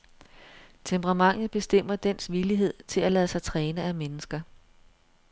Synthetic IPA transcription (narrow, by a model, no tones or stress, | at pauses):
t͡sʰempʰəʁɑ̈mɑ̈ŋ̰ð̩ˠb̥e̝sd̥em̰ɐd̥en̰sʋiliɦe̝ð̞̰ˠt͡sʰe̝lælɛðˠsɑ̈ɪt͡sʰʁɛːnəæmenəsɡ̥ɐ